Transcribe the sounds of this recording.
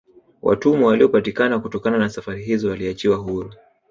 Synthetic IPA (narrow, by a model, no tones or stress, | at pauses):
wʔa̰tumuwaliɔpatikanakutɔkananasafaɾiɦizɔwaliat͡ʃiwaɦuɾu